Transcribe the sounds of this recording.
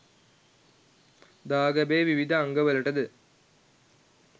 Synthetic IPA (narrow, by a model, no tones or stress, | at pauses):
d̪aːɡɐbeːʋiʋid̪ʱɐːŋɡəʋɐlɐʈɐd̪ɨ